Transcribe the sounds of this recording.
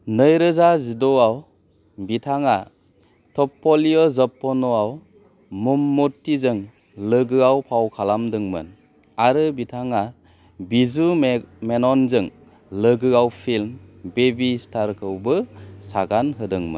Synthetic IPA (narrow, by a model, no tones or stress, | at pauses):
nɯjɾɯzazidɔaw | bitʰaŋa | tʰɔpːɔliɔzɔpːɔnɔaw | mumːutːizɯŋ | lɯɡɯawpʰawkʰalamdɯŋmɯ̰n | aɾɯbitʰaŋa | bizumenɔnzɯŋ | lɯɡɯawpʰilmbebistʰaɾkʰɯwbɯsaɡanɦɯdɯŋmɯ̰n